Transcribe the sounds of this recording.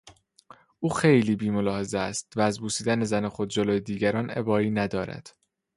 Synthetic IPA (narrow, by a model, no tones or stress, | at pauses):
ʔuːxejliːbiːmo̞lɒːhe̞zeæst̪væːzbuːsiːd̪æne̞zænexo̞d̪̚d͡ʒo̞lojed̪iːɟæɾɒːnḛbɒːiːnæd̪ɒːɾæ̰d̪̥